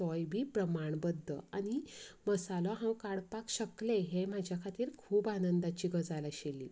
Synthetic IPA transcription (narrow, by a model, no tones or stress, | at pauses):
ɔjbʱiːpɾəmaɳbəd̪ʱːə̰a̰ñiməsalɔɦãwkaɽpakɕəkleɦem̤ad͡ʑʱjakʰat̪iːɾkʰuːbanənd̪at͡ɕiːɡəd͡zalaɕeliː